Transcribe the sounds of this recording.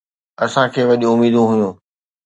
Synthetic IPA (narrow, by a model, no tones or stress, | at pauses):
ɐsãkʰeːʋɐʄũʊmiːd̪ʱũɦʊjũː